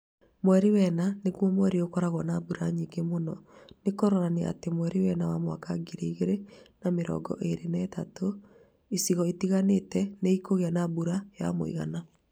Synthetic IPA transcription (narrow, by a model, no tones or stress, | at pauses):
mwɛɾiwɛnanekwɔmwɛɾiokɔɾaɣwɔnabuɾaɲiːŋɡemonɔnekoɾɔɾaneʔa̰temwɛɾiwɛnawamwakaɡiɾeiɣeɾenameɾɔ̰ːɡɔ̰ʔeɾenɛːtato | isiɣɔetiɣanetɛneikoɣeanabuɾaja̰mo̰ḭɣa̰na